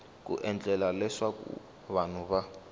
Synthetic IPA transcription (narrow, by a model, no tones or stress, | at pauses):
k̬ʼṵʔɛnd͡ɮʼɛlalɛswakṵ | βan̤uβa